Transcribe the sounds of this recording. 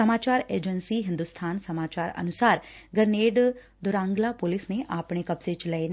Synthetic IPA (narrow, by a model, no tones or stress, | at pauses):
səmaːt͡ʃaːɾeːd͡ʒənsiːɦɪ̃nd̪ust̪ʰaːnsəmaːt͡ʃaːɾə̰nʊsaːɾɡəɾneːɖ | d̪ʊɾãːŋɡlaːpʊlɪsneʔaːpɳ̃ekɐbset͡ʃlɛen